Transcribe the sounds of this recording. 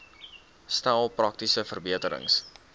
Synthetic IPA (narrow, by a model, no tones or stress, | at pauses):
snælˠprɐk̚tisəfərbiətəɾə̰ŋs